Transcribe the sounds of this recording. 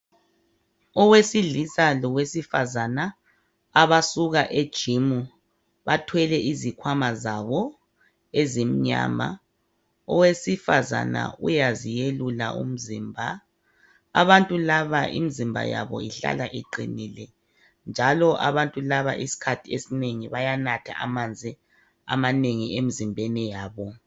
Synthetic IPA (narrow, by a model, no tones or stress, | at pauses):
ɔwesiɮisalɔwesifazanaː | βasuɣaʔed̥ʒ̥ʱimu | βatʰwɛlɛʔizikʰwamazaβɔ | ezim̩ɲa̰ːma̰ | ɔwesifaza̰na̰ṵjazijelula̰ʔṵm̩ziːmbʱa | a̰βantʼulaβaʔḭmizimbʱa̰ja̰βɔ̰iɬa̰laʔiǃḭniːlɛ | nd͡ʒʱalɔʔaβantʼulaβa̰ʔisi̥kʰatʰiesineŋiβajanatʰa̰ʔamand͡zʱi | a̰maneŋiemizimbʱɛnɛjaːβɔ